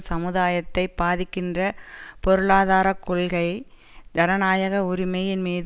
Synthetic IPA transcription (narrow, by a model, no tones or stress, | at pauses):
sɐmɯðaːjɐt̪ːɐɪpːaːðɪkːɪndrɐpɔɾɯɭaːðaːɾɐkːɔɭɣɐɪ | d̪ɐɾɐnaːjɐɣɐʊɾɪmɐjɪnmiːð